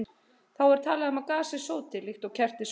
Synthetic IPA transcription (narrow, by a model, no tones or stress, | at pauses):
θawɛɾ̥t̪ʰaːlaðɪmaðkaːsɪ̥soːwt̪ɪlɪxt̪ɔɣcʰɛr̥t̪ɪs